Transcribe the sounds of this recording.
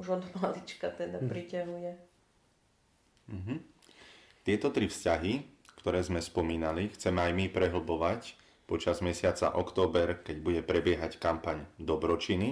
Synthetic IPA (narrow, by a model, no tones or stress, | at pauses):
uʒɔd̪malit͡ʃkat̪ɛd̪apɾicaɦujɛ | m̩ɦ̩ | t̪ɪɛt̪ɔt̪ɾifscaɦikt̪ɔɾɛːzmɛspɔmiːnalixt͡sɛmɛajmipɾɛɦl̩bɔʋac | pɔt͡ʃazmɛsɪat͡sa̰ʔɔkt̪ɔːbɛɾkɛɟbuɟɛpɾɛbɪɛɦackampaɲd̪ɔbɾɔt͡ʃini